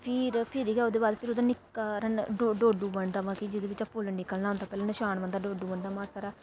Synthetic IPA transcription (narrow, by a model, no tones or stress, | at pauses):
pʰɪɾpʰɪɾiɡɛːoːd̪eːbaːd̪pʰɪɾod̪ãːnɪkɾənɖoɖoːɖuːbəɳd̪aːʋãːkid͡ʒɪd̪eːʋɪt͡ʃapʊlnɪkəlnãːʊ̃nt̪aːpɛːlãːnəʃaːnbə̃nd̪aːɖoːɖuːbəɳd̪aːmãːsaːɾaː